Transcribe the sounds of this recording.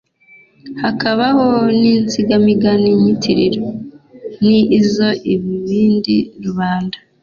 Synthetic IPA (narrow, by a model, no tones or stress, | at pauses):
hakaβahonint͡siɡamiɡaniɲitʰiɾiɾo | niːzo̞ʔiβiβiːndiɾuβaːnda